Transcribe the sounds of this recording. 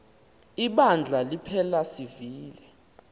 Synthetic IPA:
iɓand͡ɮʱalipʰɛlasiviːlɛ

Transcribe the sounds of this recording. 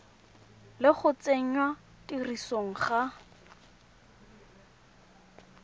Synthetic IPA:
lɪχʊt͡seɲwa | tirisoŋ̩χa

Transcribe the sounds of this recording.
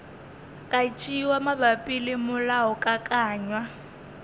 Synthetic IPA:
kʼat͡ʃʼiwamabapʼilɪmʊlaʊkʼakʼaːɲwa

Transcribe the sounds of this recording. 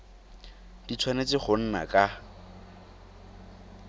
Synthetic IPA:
d̥it͡sʰwanet͡sɪχʊn̩na̰kʼa

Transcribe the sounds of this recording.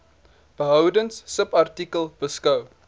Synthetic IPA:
b̥əɦœwdəŋsːəpɐrtikəlˠb̥əskɐw

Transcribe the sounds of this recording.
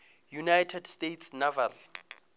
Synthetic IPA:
junajtʰɛdstejtʰsnava̰l

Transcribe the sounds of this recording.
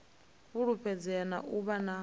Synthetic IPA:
βuɺuɸʰɛd͡zɛna̰ʔuβana

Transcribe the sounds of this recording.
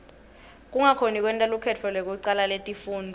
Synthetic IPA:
k̬ʼuŋakʰonik̬ʼwɛntʼalukʰɛt͡fʰɔlwɛk̬uǀalaletʼifuːndʱɔ

